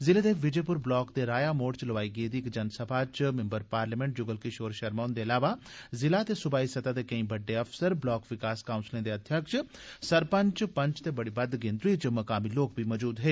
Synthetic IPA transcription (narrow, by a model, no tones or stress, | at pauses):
zɪleːd̪eːʋɪd͡ʒeːpʊɾblɔːkd̪eɾaːjamoːʈt͡ʃləʋaːiɡeːd̪iːkd͡ʒɐnsəbʰʱat͡ʃmẽmbəɾpaːɾlimẽɳʈ̚d͡ʒʊɡəlkiʃoːɾʃɐɾmaːnd̪eɐlaːʋazɪlat̪esʊbaːisɐt̪at̪ekɐĩbəɖːeɐfsəɾblɔːkʋɪkaːskaːʊnslẽd̪eɐd̪ʱjəkʃsɐɾpə̃ɲt͡ʃpə̃ɲt͡ʃt̪ebɐɽibɐd̪ɡẽnd̪ɾiːt͡ʃmɐkaːmiloːk̚bʱimɔd͡ʒuːd̪ɦeː